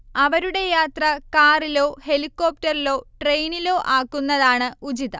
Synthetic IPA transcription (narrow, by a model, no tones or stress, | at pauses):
ɐʋɐɾuɽe̞jaːt̪rɐkaːrilo̞ːhe̞likːo̞ːp̚tɐrilo̞ːʈre̞jnilo̞ːʔaːkːunːɐðaːɳɨud͡ʑiðɐ̰